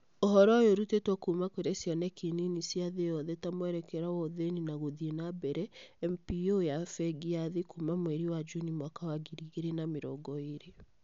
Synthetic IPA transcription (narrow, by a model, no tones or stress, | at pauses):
oɦɔɾɔjoɾutetwɔkumakoɾesjɔnɛkininisjaðejɔðɛtamwɛɾɛkɛɾawɔðeninaɣoðienabɛɾɛɛmpiojafɛɡiaðikumamwɛɾiwad͡ʒunimwakawaɡiɾiɣeɾenameɾɔ̰ɡɔeɾe